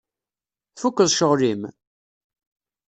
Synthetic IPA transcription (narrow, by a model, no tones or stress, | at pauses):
θfukːəðˤʃəʁlim